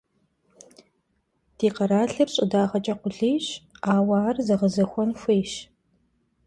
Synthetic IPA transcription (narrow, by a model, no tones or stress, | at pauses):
d̥eːqɐɾaːɬɨrɕʼɪdaːʁɐt͡ʃʼɐqʷʊɮeːɕaːwaːrzɐʁəzɐxʷɔnxʷeːʃ